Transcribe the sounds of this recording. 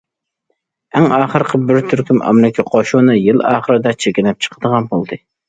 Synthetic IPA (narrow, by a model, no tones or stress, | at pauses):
æŋɑːχəɾqʰəbɪɾt̪ʰyɾkʲymɑ̰mlɪkʲʰɛqʰoʃunɨjɨlˠɑ̰ːχəɾɨd̪ɛt͡ʃʰekʲɪnɛp̚t͡ʃʰə̥qʰəd̪əʁɑnbolˠd̪ɨ